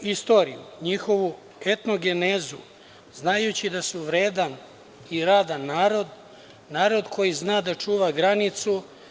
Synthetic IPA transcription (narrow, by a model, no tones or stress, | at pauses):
ist̪o̞ːɾḭjṵɲixo̞ʋu | et̪no̞ɡe̞nezṵ | znajut͡ɕid̪asuʋɾeːd̪an | iɾaːd̪anːaːɾo̞d̪ | naːɾo̞d̪kʰo̞jiznaːd̪at͡ʂuːʋaɡɾanit̪su